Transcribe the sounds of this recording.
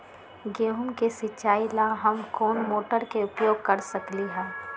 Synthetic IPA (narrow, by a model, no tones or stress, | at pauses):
ɡeɦʊmkesɪt͡ʃaːilaɦɐmkɔːnmoːʈəɾkeʊpjoːɡ̚kɐɾsɐkliɦɛ̃ː